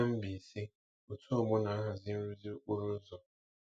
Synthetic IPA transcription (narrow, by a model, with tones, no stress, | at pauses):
a˦m̩˦bi˨si˦ | o˨tu˦ɔ˦˨mʊ˦na˨a˦ɦa˨zɪ˦n̩˦ɾu˦zi˦k͡pu˦ɾu˦n̩˦zɔ˨